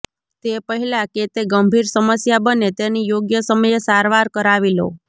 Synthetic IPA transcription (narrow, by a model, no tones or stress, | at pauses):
t̪epəɦilaket̪eɡəmbʱiɾsəməsjabənet̪enijoɡjəsəməjesaɾʋaɾkəɾaʋilo̰